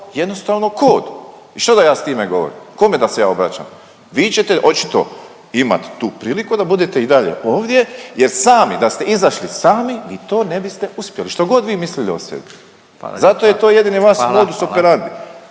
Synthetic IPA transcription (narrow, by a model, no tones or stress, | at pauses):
jed̪no̞st̪aːʋno̞ko̞ːd̪ | iʃt̪od̪ajaːst̪iːmeɡo̞ʋoɾḭmkomed̪ase̞ja̰ːobɾa̰t͡ɕa̰ːm | ʋiːt͡ɕe̞t̪eʔo̞t͡ʃi̥t̪o̞̰ | ima̰t̪ːuːpɾiːlikud̪abud̪et̪eid̪aʎe̞̰ʔoːʋd̪ʲje̞jeɾsaːmid̪ast̪eizaʃlisaːmiʋiːt̪o̞ːne̞bist̪e̞uspjeliʃt̪o̞ɡo̞d̪ʋiːmisliliosḛbi | zat̪ojet̪oːjed̪iniʋaʃoːd̪usopeɾand̪i